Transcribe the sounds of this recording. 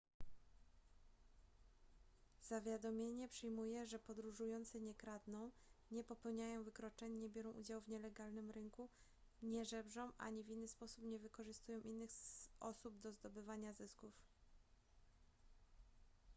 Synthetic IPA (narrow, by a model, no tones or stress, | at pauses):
z̥avʲjad̪ɔmʲjeɲɛpʂɛjmujɛʐɛpɔd̪ɾuʐujɔnt̪sɛɲɛkɾad̪nɔ̃w̃ | ɲɛpɔpɛwɲajɔ̃w̃vɘkɾɔt͡ʂɛɲɲɛbʲjɛɾɔ̃w̃ʔud͡ʑawvɲɛlɛɡalnɘmɾɘŋku | ɲɛʐɛbʐɔ̃w̃ʔa̰ɲivʲinːɘspɔsupɲɛvɘkɔʐɘst̪ujɔ̃w̃ʔinːɘxʔɔsubd̪ɔzd̪ɔbɘvaɲazɘskuf